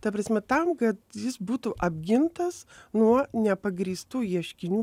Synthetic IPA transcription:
t̪ɐpɾɐsʲmʲɛt̪ɐmkɐt̪jɪsbuːt̪ʊʔɐbʲɡʲɪnt̪ɐsnuɔnʲɛpɐɡɾʲiːst̪uːjiɛʃʲkʲɪnʲuː

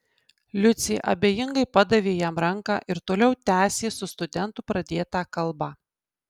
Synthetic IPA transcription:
lʲʊt̪sʲeːʔɐ̰bʲeːjɪŋɡɐɪpɐd̪ɐʋʲeːjɛmɾɐŋkɑ̰ːʔɪɾt̪oːlʲɛʊt̪ʲæːsʲeːsʊst̪ʊd̪ʲɛnt̪ʊpɾɐd̪ʲeːt̪ɑːkɐlˠbɐ

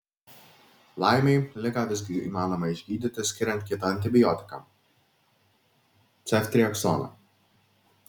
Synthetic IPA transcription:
lˠɑɪmʲɛɪlʲɪkaːʋʲɪzʲɡʲɪḭːmɑːnɔmɐɪʒʲɡʲiːd̪ʲit̪ʲɪsʲkʲɪɾʲɛnt̪̚ʲkʲiɛt̪ɐɐnʲt̪ʲɪbʲɪjɔːt̪ʲɪ̥kɐ̰m | t̪sʲɛfʲt̪ʲɾʲijɛksɔ̰nɐ̰

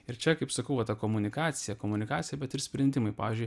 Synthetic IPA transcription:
ɪɾt͡ʃʲɛkɐɪpsɐkɐʊʋɐt̪ɐkoːmʊnʲɪkɑːt̪sʲɪjɛkoːmʊnʲɪkaːt͡ssʲɪjɛbʲɛt̪ɪɾsʲpʲɾʲɛnʲd̪ʲɪmɐɪpɑːʋʲɪzʲd͡ʒʲʊɪj

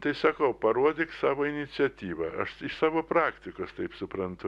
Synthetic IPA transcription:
t̪ɐɪsɐkɐʊpɐɾuɔd̪ʲɪksɑːʋoːɪnʲɪt͡sʲɪɛt̪ʲiːʋɐɐʃɪʃsɑːʋoːpɾɑːkt̪ʲɪkoːst̪ɐɪpsʊpɾɐnt̪ʊ

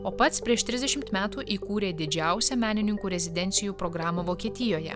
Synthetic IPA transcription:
oːpɐt̪spʲɾʲiɛʃt̪ʲɾʲɪzd̪ʲɛʃʲɪmt̪mʲæːt̪uːʔiːkuːɾʲeːd̪ʲɪd͡ʒʲæˑʊsʲɛmʲæːnʲɪnʲɪŋkuːɾʲɛzʲɪd̪ʲɛnʲt̪sʲɪjuːpɾɔɡɾɑːmoːʋoːkʲiɛt̪ʲɪjoːjɛ̰

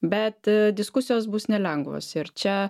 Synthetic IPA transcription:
bʲɛt̪d̪ʲɪskʊsʲɪjoːsbʊsnʲɛlʲɛŋɡʋo̰ːsɪɾt͡ʃʲɛ

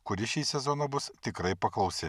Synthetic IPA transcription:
kʊɾʲɪʃʲiːsʲɛzoːnɐbʊst̪ʲɪkɾɐɪpɐklˠɒʊsʲɪ

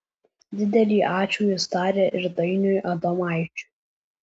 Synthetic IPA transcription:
d̪ʲɪd̪ʲɛlʲiːʔaːt͡ʃʰujost̪aːɾʲɛʔɪrd̪ɐjnʲujʔad̪ɐmaːjt͡ʃʰʼ

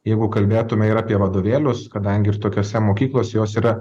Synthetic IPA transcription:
jɛɪɡʊkɐlʲbʲeːt̪ʊmʲɛiɾɑːpʲiɛʋɐd̪oːʋʲeːlʲʊskɐd̪ɐŋʲɡʲɪɪrt̪oːkʲoːsʲɛmoːkʲiːklˠoːsʲɛjoːsiːɾɐ

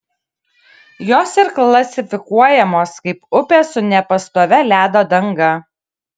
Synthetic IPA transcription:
joːsɪɾklˠɐsʲɪfʲɪkuɔjɛmoːskɐɪpʊpʲeːsʊnʲɛpɐst̪oːʋʲɛlʲæːd̪oːd̪ɐŋɡɐ

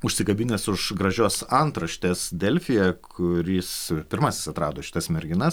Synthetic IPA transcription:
ʊʃʲsʲɪkɐbʲɪnʲeːsʊʃɡɾɐʒʲoːsɐnt̪ɾɐʃʲt̪ʲeːsd̪ʲɛlʲfʲɪjɛkʰʊɾʲispʲɪɾmɑːsʲɪ̥sɐt̪ɾɑːd̪oːʃʲɪ̥t̪ɐsmʲɛɾʲɡʲɪnɐs

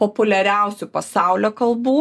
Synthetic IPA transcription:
poːpʊlʲɛɾʲæˑʊsʲupɐsɑˑʊlʲoːkɐlˠbuː

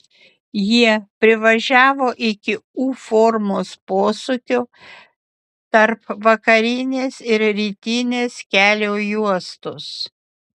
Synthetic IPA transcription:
jiɛpʲɾʲɪʋɐʒʲæːʋoːʔɪkʲɪuːfoːɾmoːspoːsʊkʲʊ | t̪ɐɾpʋɐkɐɾʲɪnʲeːsɪɾɾʲiːt̪ʲɪnʲeːskʲæːlʲoːjuɔst̪ʊs

